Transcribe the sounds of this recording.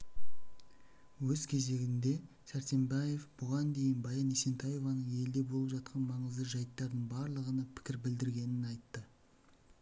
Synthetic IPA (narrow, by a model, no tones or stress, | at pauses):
wɵz̥kʲʰe̞ze̞ɡʲɪnd̪e̞ | sæɾt̪e̞mbɑje̞fbʊʁɑnd̪e̞jɪnbɑjɑnesent̪ʰɑjo̞vɑnəɴe̞lɪd̪e̞bolˠəpʒɑt̪̚qʰɑnmɑɴəzd̪əʒɑjt̪ːɑɾd̪əɴbɑɾlˠəʁənɑpʰɪ̥kʲɪɾbɪld̪ɪɾɡʲe̞nɪnɑjt̪ːə